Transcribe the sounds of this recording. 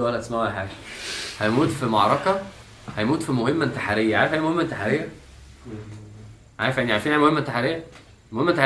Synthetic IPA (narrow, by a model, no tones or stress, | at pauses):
wælːæt̪esmæwæħaːɡæhæjmuːt̪fimɑʕɾˤɑkɑ | hæjmuːt̪fimohemːæt̪aħaɾejːæʕaːɾefʔænːimohemːæt̪ːaħaɾejːæ | ʕaɾefʔeniʕaɾfinʔæːnmohemːæt̪ːaħaɾejːæ | mohemːæt̪ːa